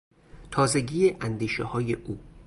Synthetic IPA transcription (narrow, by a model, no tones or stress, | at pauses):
t̪ʰɒːze̞ɟiːeʔænd̪iːʃehɒːjeʔuː